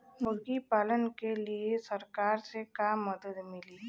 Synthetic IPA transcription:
mʊɡipaːlənkeliesəɾkaːɾsekaːmːəd̪əd̪mɪliː

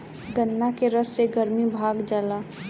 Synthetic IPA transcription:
ɡənːakeɾəsːeɡəɾmibʱaːɡd͡ʒəla

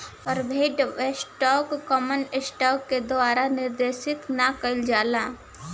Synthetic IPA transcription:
ɔːɾbʱeːʈʋesʈɔːkːɔːmənɪsʈɔːkːed̪ʊaːɾanɪɾd̪eːʃɪt̪nakɐɪld͡ʒaːlaː

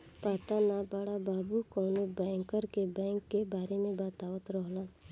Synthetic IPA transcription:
paːt̪anabəɽabaːbukɔːnobɛ̃ːŋkəɾebɛ̃ːŋkːebaːɾemẽbaːt̪aːʋət̪ɾəɦlan

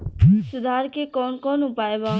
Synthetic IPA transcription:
sʊd̪ʱaːɾkekɔnkɔnʊpaeba

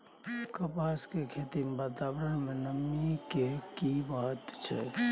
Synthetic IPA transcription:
kəpaːskekʰeːt̪imbaːt̪aːbəɾəɽ̃mẽnəmikekibaɦət̪t͡ʃʰɛ̰

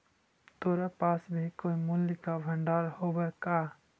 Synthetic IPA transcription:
t̪oɾapasbʱikoːimulːikabʱəɳɖaɾhobəɾka

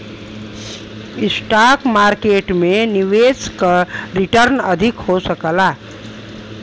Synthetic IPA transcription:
ɪsʈaːkmaːɾkeːʈmẽniʋeːskaɾɪʈəɾnəd̪ʱɪkhosəkəla

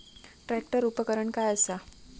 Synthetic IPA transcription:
ʈɾæk̚ʈəɾupəkəɾəɳkajəsa

